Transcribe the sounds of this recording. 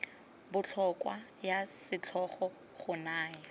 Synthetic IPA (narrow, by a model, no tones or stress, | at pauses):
bʊt͡ɬʰɔkwajasɪt͡ɬʰɔχɔ | χʊnaːɛ